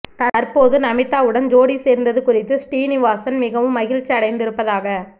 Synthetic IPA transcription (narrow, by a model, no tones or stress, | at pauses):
t̪ɐɐɾpoːðɯnɐmɪt̪ːaːʋɯɽɐnd͡ʒoːɽiseːɾnd̪ɐðɯkʊrɪt̪ːɯsʈiːnɪʋaːsɐnmɪɣɐʋɯmːɐɣɪɻt͡ʃːɐɐɽɐɪnd̪ɪɾɯpːɐðaːɣɐ